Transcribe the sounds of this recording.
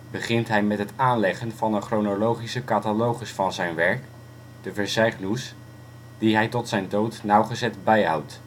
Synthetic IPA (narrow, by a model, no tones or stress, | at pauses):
bəχɪntɦɛjmɛtɦətaːnlɛχənvɑndəχronolowχisəkatalowχəsfɑnzɛjnʋɛɹk | d̥əvəɹsɛjχnus | d̥iɦɛjtɔtsɛjndowtnawχəzɛtbɛjɦɑ̰wt